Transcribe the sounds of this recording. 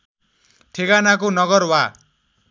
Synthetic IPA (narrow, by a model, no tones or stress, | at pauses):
t̪ʰeɡanakonʌɡʌrwa